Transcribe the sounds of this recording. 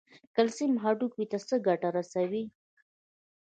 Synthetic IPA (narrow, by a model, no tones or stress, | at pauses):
kalsimɦaɖukwit̪asəɡaʈaɾasawi